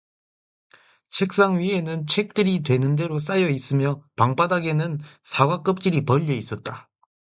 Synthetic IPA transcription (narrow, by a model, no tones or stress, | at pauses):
t͡ɕʰe̞k̚s͈aŋɥie̞nɯnt͡ɕʰe̞k̚t͈ɯɾitwe̞nɯnde̞ɾos͈ajʌis͈ɯmjʌpaŋpadaɡe̞nɯnsʰaɡwak͈ɯp̚t͡ɕ͈iɾipʌʎːʌis͈ʌt̚t͈a